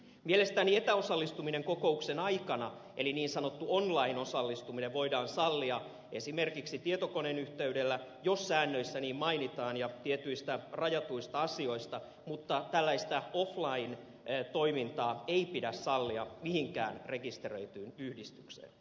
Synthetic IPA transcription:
mielest̪æniet̪æosɑlːist̪umineŋkoko̞uksenɑikɑnɑ | ʔeliniːnsɑnot̪ːuonlɑinosɑlːist̪umineʋʋo̞idɑːnsɑlːiɑ | esimerkiksit̪iet̪okonenyht̪eydelːæjosːæːnːøisːæniːmmɑinit̪ɑːnjɑt̪iet̪yist̪ærɑjɑt̪uist̪ɑɑsio̞ist̪ɑ | mut̪ːɑt̪ælːæist̪æoflɑin | t̪o̞imint̪ɑːeipidæssɑlːiɑ̰mihiŋkæ̰ːnre̞kist̪erø̰it̪yːnyhdist̪yksḛːn

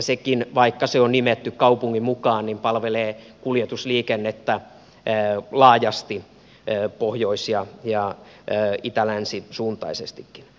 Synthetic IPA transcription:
sekinʋɑikːɑseonnimet̪ːykkɑupuŋːimukɑːnnimpɑlʋeleːkuljet̪usliːkenːet̪ːæː | lɑːjɑst̪i | pohjoisjɑjɑː | it̪ælænsisuːnt̪ˑɑ̰isest̪ikːin

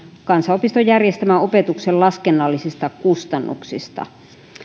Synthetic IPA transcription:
kɑnsɑopist̪ojærjest̪æmæopet̪uksellɑskenːɑlːisist̪ɑkust̪ɑnːṵksist̪ɑ̰

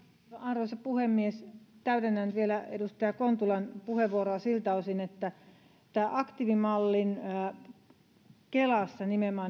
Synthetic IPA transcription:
ɑnrosepuhemːiest̪æyt̪enːænt̪ʋielæḛdust̪ɑjɑkont̪ulɑnpuheʋʋuoroɑsilt̪ɑosinet̪ːæ | t̪æːʔɑkt̪iʋimɑlːin | kelɑsːɑnimemɑ

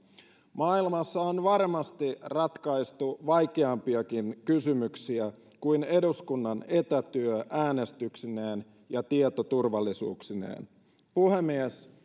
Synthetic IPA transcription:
mɑːilmɑsːɑonʋɑrmɑst̪irɑt̪kɑist̪uʋɑjkeɑmpiɑkinkysymyksiæ | kuine̞duskunːɑne̞t̪æt̪yøʔæːne̞st̪yksineːn | jɑt̪iet̪ot̪urʋɑlːisṵːksinḛːn | puhemːies

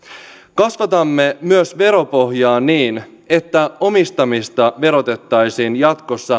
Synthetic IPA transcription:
kɑsʋɑt̪ɑmːe̞myøsʋe̞ɾo̞po̞ɦjɑːnːiːn | e̞t̪ːæo̞mist̪ɑmist̪ɑʋe̞ɾo̞t̪e̞t̪ːɑjsiːnjɑt̪ko̞sːɑ

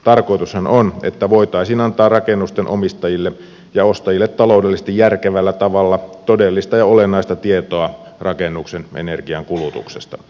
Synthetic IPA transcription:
t̪ɑrkoit̪ushænonḛt̪ːæʋoit̪ɑisiːnɑnt̪ɑːrɑkenːust̪enʔo̰mist̪ɑjilːe | jɑost̪ɑjilːet̪ːɑlo̞ˑwdelːisest̪ijjærkeʋælːæt̪ɑʋɑlːɑt̪odelːist̪ɑjɑolenːˑɑist̪ɑt̪iet̪oɑ | rɑkenːuksenʔḛnerɡiɑŋkulut̪ṵksest̪ɑ

